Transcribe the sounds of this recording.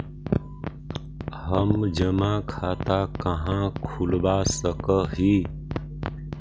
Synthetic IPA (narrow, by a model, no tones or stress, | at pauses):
ɦəmd͡ʒəmakʰat̪akəɦãkʰulbasəkəɦi